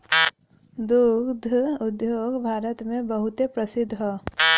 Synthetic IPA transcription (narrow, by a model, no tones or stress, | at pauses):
d̪uɡd̪ʱʊd̪joːɡbʱaːɾət̪mẽbɐɦʊt̪epɾəsɪd̪ʱːɦoː